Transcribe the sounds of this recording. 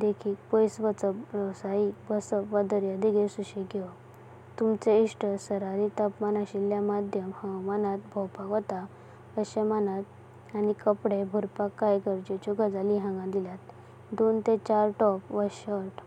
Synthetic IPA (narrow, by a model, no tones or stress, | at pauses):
d̪ekʰiːkpəjsʋət͡səɾəwsaibəsəpʋad̪əɾjad̪iɡesuɕiɡʱeʋ | t̪umt͡seiʂʈʰəsəɾaɾit̪apmanaɕiljamad̪ʱjəmhəwmanat̪̚bʱɔwpakɔt̪a | əɕəmanat̪̚ | anikəpɽebʱuɾpakːajɡəɾd͡ʑet͡ɕuɡəd͡zaliɦãŋɡãd̪ilat̪ | d̪ont̪et͡ɕaɾʈɔpʋəɕəɾʈ